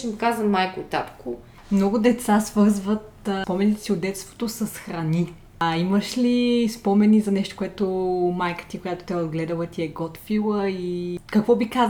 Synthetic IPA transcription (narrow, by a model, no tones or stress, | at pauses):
imikazvəmajkʊt̪a̰p̪kʊ | mnɔɡʊd̪ɛt̪sasvɤɾzvət̪pɔmɛnit̪ɛ̥siʊd̪ɛt̪st̪vo̥t̪osɐsxɾɐni | ɐiməʃlispɔmɛnizɐnɛʃt̪o̥koɛt̪omajkə̥t̪ʲikojat̪o̥t̪ɛozɡlɛd̪əlˠət̪iɛɡɔt̪filˠəikɐkvɔbikaz